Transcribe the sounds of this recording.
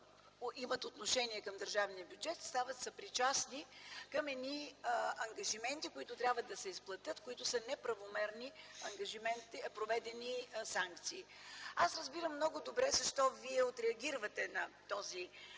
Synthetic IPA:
imɐt̪ot̪noʃɛniɛkɐmd̪əɾʒavnijəbjud͡ʒɛt̪st̪avət̪sɐpɾit͡ʃasnikɐmɛd̪niɐŋɡɐʒimɛnt̪ikoit̪ʊt̪ɾʲabvəd̪ɐsɛisplˠɐt̪ʲɤt̪kʊit̪ʊsənɛpɾɐvomɛɾniɐŋɡɐʒimɛnt̪ipɾovɛd̪ɛnisaŋkt̪siː | asɾəzbiɾəmːnɔɡʊd̪obɾɛzɐʃt̪ɔviɛot̪ɾɛɐɡʲiɾvɐt̪ɛnɐt̪ɔzi

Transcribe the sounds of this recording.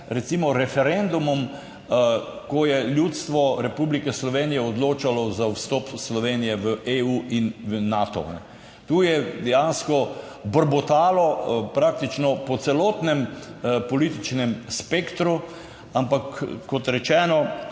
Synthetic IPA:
ɾɛt̪simɔɾɛfɛɾend̪umɔm | kɔjɛljut̪st̪ʋɔɾɛpublikɛslɔʋeːnijɛɔd̪loːt͡ʃalɔzawst̪ɔːpslɔʋeːnijɛʋəʔeuːʔinʋəːaːt̪ɔ̰nɛ̰ | t̪uːjɛd̪ɛjanskɔ | bəɾbɔt̪aːlɔpɾak̚t̪it͡ʃnɔpɔt̪sɛlɔːt̪nɛmpɔlit̪it͡ʃnɛmspekt̪ɾu | ampakːɔt̪ɾɛt͡ʃɛːnɔ

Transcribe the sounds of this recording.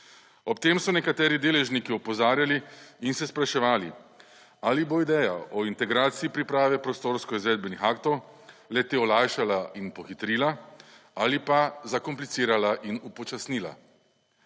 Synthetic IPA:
ɔpt̪eːmsɔnɛkat̪ɛːɾid̪eːlɛʒnikiɔpɔzaːɾjaliinsɛspɾaʃɛʋaːlḭ | aːliboid̪ɛːjaʔɔint̪ɛɡɾaːt̪siipɾipɾaːʋɛpɾɔst̪oːɾskɔizʋɛːd̪̚bɛnixaːkt̪ɔw | lɛt̪eːɔlajʃalaʔinpɔxit̪ɾilaaːlipazakɔmplit̪siːɾalaʔinupɔt͡ʃasniːla̰

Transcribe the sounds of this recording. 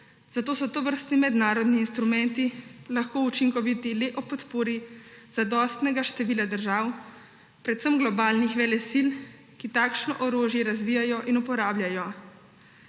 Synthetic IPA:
z̥at̪oːsɔt̪ɔʋəɾst̪nimɛd̪naːɾɔd̪niːnst̪ɾumɛnt̪ilaxkoːut͡ʃiŋkɔʋit̪ileʔɔpɔt̪poːɾiz̥ad̪ɔːst̪nɛɡaʃt̪ɛʋiːlad̪əɾʒaːw | pɾɛt̪səmɡlɔbaːlnixʋɛlɛsil | kit̪aːkʃnɔʔɔɾoːʒjɛɾazʋiːjajɔʔinupɔɾaːblʲjajɔ

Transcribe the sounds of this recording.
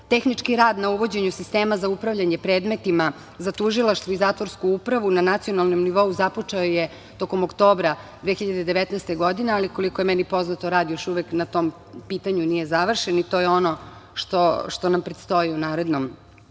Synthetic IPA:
t̪e̞xnit͡ʂkiɾaːd̪nauʋo̞d͡ʑe̞ɲusist̪e̞ːmazaupɾaʋʎaɲepɾe̞ːd̪me̞t̪ima | zat̪uʒilˠaʃt̪ʋoizaːt̪ʋoɾskuupɾaʋunanat̪sio̞nalˠno̞mniʋo̞uzapot͡ʂaoje | t̪o̞ko̞mokt̪o̞ːbɾad̪ʋeçiʎad̪ed̪eʋet̪nɛːst̪e̞ɡo̞d̪ine̞aliko̞likojemɛnipo̞znat̪o̞ɾaːd̪jo̞ʃuʋeknat̪o̞m | piːt̪aɲunije̞zaʋr̩ʃenit̪o̞ːjeo̞noʃt̪oʃt̪o̞nampɾet̪st̪o̞jiunaːɾe̞d̪nom

